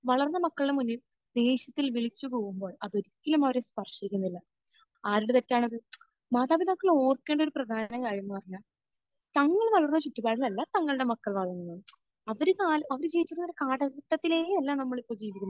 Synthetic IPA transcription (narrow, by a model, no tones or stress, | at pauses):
ʋɐɭɐrnːɐmɐkːɐɭɨɽe̞munːi | d̪̥e̞ːɕɐt̪ːilʋiɭit͡ɕːukuːɣumbo̞ːɭɐðo̞ɾikʲːɐlɐmɐʋɐɾespɐrʂikʲːunːilːɐ | aːɾuɽet̪etːaːɳɐðɨ | maːt̪aːbid̪akːɐɭo̞ːrkːe̞ːɳɖo̞ɾuprɐd̪ʱaːnɐmkaːɻijunːɨpɐrɐɲːaːɭ | t̪ɐŋːɐɭʋɐɭɐrnːɐt͡ɕut̪ːibaːɽilɐlːɐt̪ɐŋːɐɭɨɽe̞mɐkːɐɭʋaːd̪ʱɐŋːɐnːɐɳː | ɐʋɐɾɨkaːlɐɐʋɐɾɨt͡ɕejit͡ɕːurnɐʋoɾɨkaːʈɐɣɐʈːɐt̪ːileːlːaːmnɐmːɐɭipːo̞ːd͡ʑiːʋikʲːunː